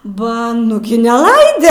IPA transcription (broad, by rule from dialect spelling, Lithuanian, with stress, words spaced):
ˈbɐ ˈnʊɡʲɪ nʲɛˈlˠɐɪdʲɛ